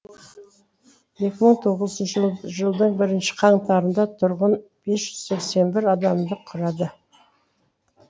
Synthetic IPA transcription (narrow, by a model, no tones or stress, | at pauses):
je̞kʲɪməɴt̪ʰo̞ʁəzənʒəlˠd̪əɴbɪɾɪnʃɪ̥qʰɑɴt̪ɑɾənd̪ɑt̪ʰʊɾʁənb̥e̞sʒ̥ʏz̥se̞kse̞nbɪɾɑd̪ɑmd̪əqʰʊɾɑd̪ə